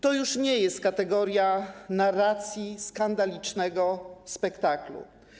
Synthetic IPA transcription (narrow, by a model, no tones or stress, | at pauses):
t̪ɔjuʂɲɛjɛst̪̚kat̪ɛɡɔɾʲjanarat̪sʲjiskand̪alʲit͡ʂnɛɡɔspɛkt̪aklṵ